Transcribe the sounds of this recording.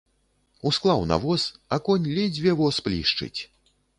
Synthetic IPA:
usklˠawna̰vɔsakɔnʲlʲɛd͡zʲvʲɛvɔsplʲiʂt͡ʂɨ̰t͡sʲ

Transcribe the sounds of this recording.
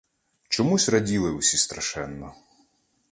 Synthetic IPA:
t͡ʃɔmusʲrɐdʲilˠɪʊsʲist̪ɾɐʃɛnːɔ

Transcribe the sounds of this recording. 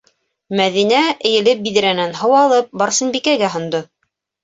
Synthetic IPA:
mæðinæɘ̆jɘ̆lɘp̚biðɘ̆ɾænænɦɤ̆wɑlˠɤp̚bɑɾsɤ̆nbikæɡæɦŏnd̪o

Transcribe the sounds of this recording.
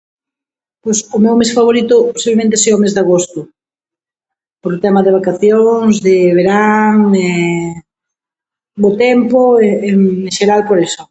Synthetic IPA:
pojsʊmewmesfaβoɾit̪ʊposiβlemẽnt̪eseomezðaɣost̪ʊ | poɾʊt̪ɛmaðeβ̞akaθjoŋŋzðeβeɾaŋe | bot̪ɛmpoeeẽʃeɾalpoɾesʊ

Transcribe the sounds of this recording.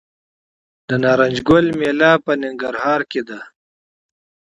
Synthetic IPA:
d̪ənaːɾɐnʲd͡ʒɡolmeːlaːpənɪŋɡɐɾhɑːɾked̪a

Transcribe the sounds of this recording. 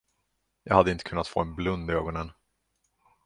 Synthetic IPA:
jɑːɡhad̪ːəɪnt̪ə̥kʰɵnːat̪fo̰ːɛnblɵnd̪ɪøːɡɔnən

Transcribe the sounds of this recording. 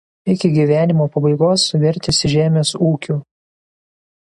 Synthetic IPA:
ɪkʲɪɡʲiːʋʲæːnʲɪmoːpɐbɐɪɡoːsːʊʋʲɪɾʲt̪ʲɪsʲɪʒʲæːmʲeːsuːkʲuː

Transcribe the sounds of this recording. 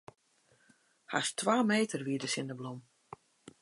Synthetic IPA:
ha̰stʰʋaːmeːtʰərʋiədəsɪndəblom

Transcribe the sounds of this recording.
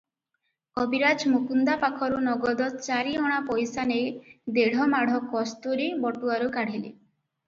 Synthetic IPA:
kɔbiɾad͡ʒmukund̪apakʰɔɾunɔɡɔd̪ɔt͡ʃaɾiɔɽ̃apɔjsanejd̪eɽ̤ɔmaɽ̤ɔkɔst̪uɾibɔʈuaɾukaɽ̤ilḭ

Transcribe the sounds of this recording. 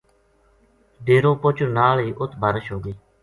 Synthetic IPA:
ɖeːɾõːpʊt͡ʃʰɾnaːliːʔʊt̪ʰbʱəɾəʃɦoːɡəiː

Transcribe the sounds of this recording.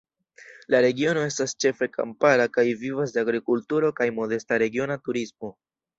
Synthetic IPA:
laɾe̞ɡio̞no̞e̞stast͡ʃe̞fe̞kʰa̰mpalakajvivas̬deaɡɾikultuɾo̞kajmo̞de̞staɾe̞ɡio̞natuɾismo̞

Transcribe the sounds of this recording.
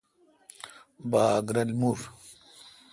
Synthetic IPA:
baːɡɾɐlmuɾ

